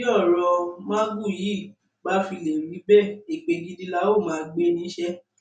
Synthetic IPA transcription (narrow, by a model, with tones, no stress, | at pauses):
ɔ˦˨ɾɔ˧mã˦ɡu˦˨ji˨˦˨ | ɡ͡ba˦fi˧le˨ɾi˨˦bɛ˦˨e˨k͡pe˧ɡi˧di˧la˧˦o˦˨mãː˨˦ɡ͡be˦nĩ˧˦ʃɛ˦